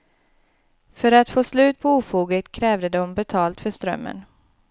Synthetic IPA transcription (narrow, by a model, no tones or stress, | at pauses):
fœɾat̪foːslʉ̟ːt̪̚pʰɔuːfuːɡət̪kʰɾɛːvd̪əd̪ɔmbɛt̪ʰɑːlt̪fœʂt̪ɾœ̰mːə̰n